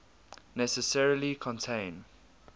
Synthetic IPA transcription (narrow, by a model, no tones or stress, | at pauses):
nɛsəsɛɹilikʰɔ̃ntʰẽɪ̃n